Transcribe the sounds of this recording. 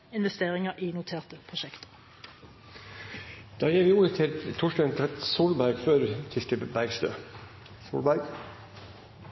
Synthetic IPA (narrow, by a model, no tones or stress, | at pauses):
ɪnʋɛst̪eːʁɪŋəʁʔiːnʊt̪ʰeːʁt̪əpʰʁʊʃɛkt̪ə̥ | d̪̥ɑːjiːɾʋɪːuːɾət̪ʰɪlt̪ʰʊʃdɑːnt̪ʰɾɛt̪suːlbæɾɡføːɾt̪ʰɪsʈ̪əbæɡst̪ø̰ː | sṵːlbæɾɡ